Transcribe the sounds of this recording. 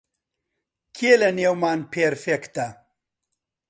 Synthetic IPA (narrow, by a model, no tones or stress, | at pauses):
kʰielɐneːwmaːnpʰeɾfekt̪ɐ